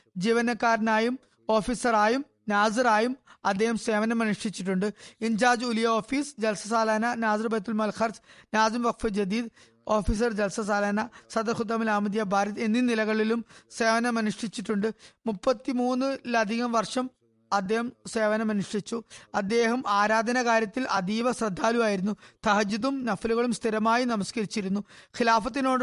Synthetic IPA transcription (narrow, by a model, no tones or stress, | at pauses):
d͡ʑiːʋɐnɐkːaːɾnaːjum | o̞ːfiːsɐraːjum | naːd͡ʑɐɾaːjumɐd̪ːeːhɐmse̞ːʋɐnɐmɐnuʂʈit͡ɕːiʈ̬ːuɳɖɨiɲd͡ʑaːd͡ʑulijɐo̞ːfiːsd͡ʑɐlsɐsaːlaːnɐnaːd͡ʑrbɐjt̪ːulmɐlxʰɐrsnaːd͡ʑɐmʋɐk̚fid͡ʑɐd̪iːd̪ | o̞ːfiːs̬ɐrd͡ʑɐlsɐsaːlaːnɐsɐd̪ɐrxud̪ːɐmilaːmɐd̪jɐbʱaːɾɐt̪enːinilɐɣɐɭilumseːʋɐnɐmɐnuʂʈit͡ɕːiʈːuɳɖɨmupːɐt̪ːimuːnːɨlɐd̪ʱiɣɐmʋɐrʂɐm | ɐd̪ːeːɦɐmseːʋɐnɐmɐnuʂʈit͡ɕːuɐd̪ːe̞ːɦɐmaːɾaːd̪ʱɐnɐkaːɾjɐt̪ːilʔɐd̪iːʋɐsrɐd̪ʱːaːluaːjiɾunːut̪ɐɦɐd͡ʑiðumnɐfɐluɣɐɭumst̪ʰiɾɐmaːjinɐmɐskɐɾit͡ɕːiɾunːuxilaːfɐt̪̬ːinoːɽ